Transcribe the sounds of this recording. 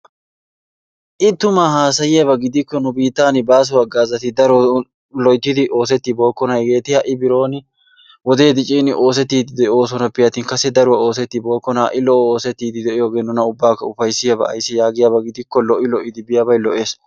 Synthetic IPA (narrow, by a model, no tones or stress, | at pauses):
ʔɪt̪ːʊmahaːsɐjɪjɐβɐɡɪd̪ɪkːɔnʊbiːt̪ːaːnɪbaːs̬ʊwɐɡaːzɐt̪ɪd̪ɐɾɔ | lɔjd̪ːɪd̪ɪʔo̞ːs̬ɛt̪ːɪbo̞ːkːɔnɐjɡe̞ːt̪ɪhɐʔɪbɪɾo̞ːnɪ | wɔd̪e̞ːd̪ɪt͡ʃʼiːnɪʔo̞ːsɛt̪ːiːd̪ɪd̪ɛo̞ːsɔnɐpːɪjɐt̪ɪːnkɐsːɛd̪ɐɾʊwɐo̞ːsɛt̪ːɪbo̞ːkːɔnɐʔɪlɔʔoːsɛt̪ːiːd̪ɪd̪ɛʔɪjo̞ːɡe̞ːnːʊnɐʊbːaːkːɐʊfɐjsɪjɐbɐ̰ɐ̰jsːɪjaːɡɪjabɐɡɪd̪ɪkːɔlɔʔɪlɔʔɪd̪ɪbɪjabɐjlɔʔe̞ːs